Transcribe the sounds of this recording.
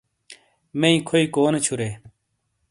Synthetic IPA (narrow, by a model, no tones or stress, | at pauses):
meĩkʰoikoːnet͡ɕʰuɾeː